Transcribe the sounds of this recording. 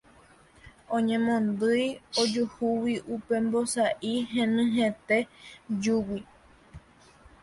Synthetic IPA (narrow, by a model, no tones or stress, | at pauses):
õɲẽmõnd̪ɨjod͡ʒuhuwiʔupe̞mbosaʔiɦẽnɨ̃ɦẽt̪e̞d͡ʒuwi